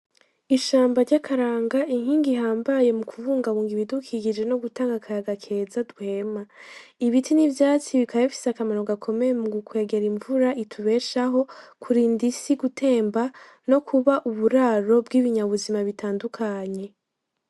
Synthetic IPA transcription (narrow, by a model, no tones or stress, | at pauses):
iʃaːmbaɾɟakʰaɾaːŋɡaʔiŋ̥hiːŋɡiɦaːmbaje̞mukʰuvuːŋɡaβuːŋɡiβidukʰiɡid͡ʒe̞no̞ɡutaːŋɡakʰaɾaɡakʰe̞zaduhe̞ːmaiβitʰinivjaːt͡siβikʰajafi̥sakamano̞ɡakʰo̞me̞jemuɡukwe̞ːɡe̞ɾiɱvuɾaʔitʰuβe̞ːʃaɦo̞kʰuɾiːndisiɡutʰe̞ːmba | no̞kʰuβaʔuβuɾaːɾo̞bɡiβiɲaβuzimaβitaːndukʰaɲe̞